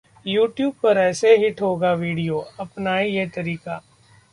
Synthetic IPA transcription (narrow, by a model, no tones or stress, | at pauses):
juːʈjuːb̚pəɾɛːseɦɪʈʰɦoːɡaːʋiːɖijoːɐpnaːijeːt̪əɾiːkaː